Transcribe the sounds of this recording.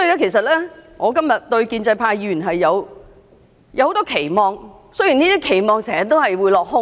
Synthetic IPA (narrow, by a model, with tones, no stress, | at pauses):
sɔ˥i˨˧lɛː˥kʰe˨˩js̬ɐ˨t̚lɛː˥ŋɔː˨˧kɐ˥mjɐ˨t̚t̪ɵ˧ɥkiː˧nt͡sɐ˧jpʰaː˧jːiː˧˩y˨˩ɦɐ˨jːɐ˨˧w | jɐ˧who˨˧wt̪ɔː˥kʰe˨˩jmɔː˨ŋsɵ˥ɥjiː˨˩niː˥t̪iː˥kʰe˨˩jmɔː˨˧ŋsɛː˨˩ɐ˨˩t̪ːo˥whɐ˨jwuː˨˧jlɔː˨k̚hʊ˥